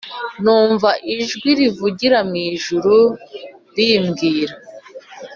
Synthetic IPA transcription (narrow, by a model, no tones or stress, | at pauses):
nuːɱvaʔiʒɡwiɾivuɟiɾamŋiːʒuɾu | ɾiːmɡiːɾa